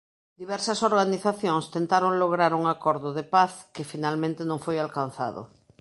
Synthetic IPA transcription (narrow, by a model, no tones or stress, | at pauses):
d̪iβɛɾsɐsoɾɣaniθaθjoŋst̪ẽnt̪aɾoŋloɣɾaɾuŋakɔɾðʊðepaθkɪfinalmẽnt̪enõŋfojalkan̟θa̰ðo̰